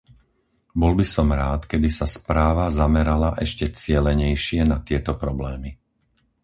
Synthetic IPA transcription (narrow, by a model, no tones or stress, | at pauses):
bɔlbisɔmɾaːt̪kɛbisaspɾaːʋazamɛɾalaʔɛʃcɛt͡sɪɛlɛɲɛjʃɪɛnat̪ɪɛt̪ɔpɾɔblɛːmi